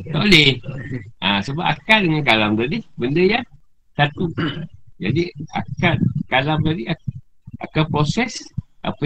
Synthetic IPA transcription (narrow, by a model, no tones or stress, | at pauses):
t̪aʔolɛhʔasəbaʔa̰kadəŋankalamdadibəndəjan | sat̪ud͡ʒadia̰kat̪̚kalamdadia | ʔa̰kapɾosɛsʔa̰pə